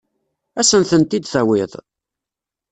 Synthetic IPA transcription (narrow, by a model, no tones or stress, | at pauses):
æsənθənt̪id̪θæwɪðˤ